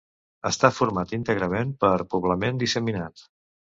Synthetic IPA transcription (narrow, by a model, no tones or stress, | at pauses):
əst̪afuɾmat̪int̪əɣɾəmempəɾpuβləmend̪isəminat̪